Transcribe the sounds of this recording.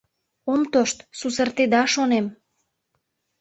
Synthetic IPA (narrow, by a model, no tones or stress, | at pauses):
omt̪oʃt̪susərt̪ed̪ɑʃonem